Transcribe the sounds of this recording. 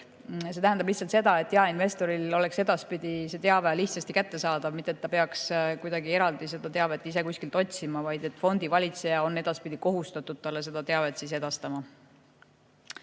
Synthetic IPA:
se̞t̪æɦænd̪ɑblihtsɑlt̪se̞d̪ɑe̞t̪ːˑjɑɑinve̞st̪o̞ɾilo̞le̞kse̞d̪̥ɑspid̪̥ise̞t̪e̞ɑveliht̪sɑst̪ikæt̪ːe̞sɑːd̪̥ɑvmit̪ːˑe̞t̪ːɑpeɑkskujd̪ɑɡie̞ɾɑld̪ise̞d̪̥ɑt̪e̞ɑve̞t̪ːˑise̞kusʲkilt̪o̞t̪̚ʲsimɑvɑjd̪e̞t̪ːˑfo̞nd̪̥ivɑlʲit̪se̞jɑo̞nːe̞d̪ɑspid̪̥iko̞ɦust̪ɑt̪ːˑud̪̥̚t̪ɑlːes̬e̞d̪̥ɑt̪e̞ɑve̞t̪sis̬e̞d̪̥ɑst̪ɑmɑ

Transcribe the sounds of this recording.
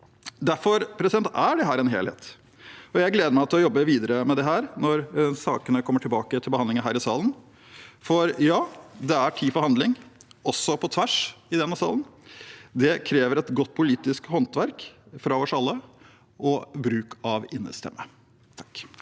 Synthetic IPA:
d̪æɾfɔɾpʰɾɛsɪd̪ɛnt̪æɖɛɦæːɾɛnɦḛːlhḛːt̪ | ɔjæɪɡleːd̪əɾmæɪt̪ɪlɔjɔbːəʋiːd̪əɾəmɛd̪ɛɦæːɾnɔɾsɑːkənəkʰɔmːəʈʰɪlbɑːkət̪ʰɪlbəhɑnd̪ɪŋənɦæːɾɪsɑːlən̩ | fɔɾjɑːd̪ɛæʈʰiːfɔɾhɑnd̪lɪŋɔsːɔpʰɔt̪ʰʋæʂɪd̪ɛnːəsɑ̰ːlənd̪ɛkʰɾeːʋəɾɛt̪ɡɔt̪̚ːpʰʊliːt̪ɪskhɔnt̪ʋæɾkfɾɑɔsɑlːə | ʔɔbɾʉːkɑʋɪnːə̰st̪ʰɛ̰mːə | t̪ʰɑ̥k

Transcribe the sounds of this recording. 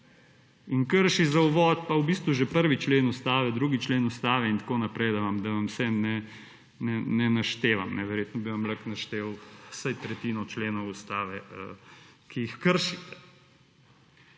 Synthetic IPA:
inkəɾʃizauʋɔt̪paubist̪ʋuʒɛpəɾʋit͡ʃleːnust̪aːʋɛd̪ɾuɡit͡ʃleːnust̪aːʋɛint̪koːnapɾɛjd̪ɐʋamd̪ɐʋamsɛnɛ | nɛnɛnaʃt̪eːʋamnɛʋɛɾjeːt̪nɔbiʋamlaknaʃt̪eːwsajt̪ɾɛt̪iːnɔt͡ʃleːnɔwust̪aːʋɛə̰kʰijixkəɾʃit̪ɛ̥

